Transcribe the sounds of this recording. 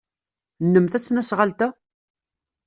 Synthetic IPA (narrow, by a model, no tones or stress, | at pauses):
nːəmθæt͡sːnæsʁalt̪æ